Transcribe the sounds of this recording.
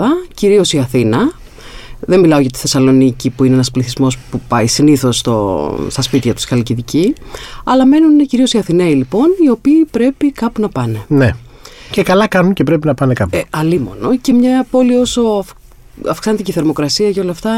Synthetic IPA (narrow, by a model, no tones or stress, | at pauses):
ɐciɾio̞siɐθinɐ | ðenmilɐo̞ʝɐt̪i̥θe̞sɐlo̞nicipuineenɐspliθizmo̞spupɐisiniθo̞st̪o̰st̪ɐspit̪çɐt̪u̥sxɐliciðiciɐlɐme̞nunieciɾio̞siɐθineilipo̞nio̞piːpɾe̞pikɐpunɐpɐne̞ne | ce̞kɐlɐkɐnunce̞pɾe̞pinɐpɐnekɐpɐlimo̞̰no̞ce̞mɲɐpo̞lio̞so̞ɐf | ɐ̰fksɐnet̪iciθe̞ɾmo̞kɾɐsiɐʝɐolɐːft̪ɐ